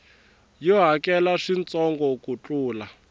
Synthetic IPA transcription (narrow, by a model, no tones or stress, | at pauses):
jɔɦakɛlaʂint͡sɔŋɡɔkut͡ɬʼuːla